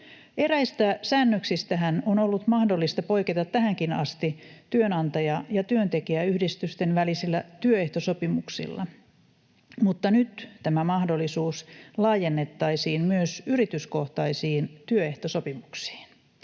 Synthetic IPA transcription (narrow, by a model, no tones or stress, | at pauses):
e̞ɾæist̪æsæːnːøksist̪æɦænonolːut̪mɑhdo̞lːist̪ɑpo̞jket̪ɑt̪ːæhæŋkinɑ̰st̪it̪yønɑnt̪ɑjɑjɑt̪yønt̪e̞kiæyhdist̪yst̪e̞nʋælisilːæt̪yøeht̪osopimuksḭlːɑ̰ | mut̪ːɑnyt̪t̪æmæmɑhdolːisuːslɑːje̞nːet̪ːɑisiːnmyøsyrit̪ysko̞ht̪ɑisiːnt̪yøe̞ht̪oso̞pimuksi̥ːn